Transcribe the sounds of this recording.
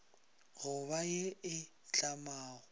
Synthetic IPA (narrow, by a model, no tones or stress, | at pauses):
ɣʊβajɪɪ | t͡ɬʼamaːɣʊ